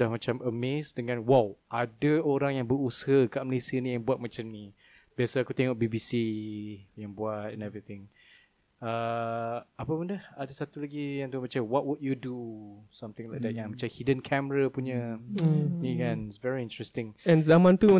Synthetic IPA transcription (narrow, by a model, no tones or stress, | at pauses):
ahmat͡ʃaməmesdəŋãnwalʔadəoɾaŋjãŋbəɾushəkaʔ̚məlesiənĩjaŋbuat̚mat͡ʃamni | biasəakut̪eŋok̚bibisi | jãŋbuatɛnɛvɹit̪ɪ̃ŋ | ə | apəpundəhadasat̪ulaɡijaŋt̪ubat͡ʃawɔt̚wud̚judusamt̪ɪ̃ŋlajk̚d̪ɛt̚jãŋmat͡ʃamhidənkʰɛməɾapuɲə | nikansvɛɹiint̪ɹɛst̪ɪ̃ŋɛ̃nzamãnt̪u